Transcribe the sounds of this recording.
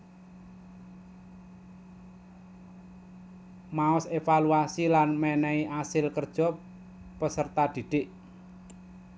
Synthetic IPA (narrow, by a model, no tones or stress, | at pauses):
maɔsefaluasilanmɛnɛiʔasɪlkərd̥ʒ̥ɔ̤ | pəsərt̪ad̪̥i̤d̪̥ɪʔ